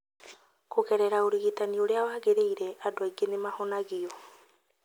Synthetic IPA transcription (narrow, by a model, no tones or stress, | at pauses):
koɣɛɾɛɾaoɾiɣitanioɾeawaːɣeɾeiɾɛadoaiɡenemahonaɣiɔ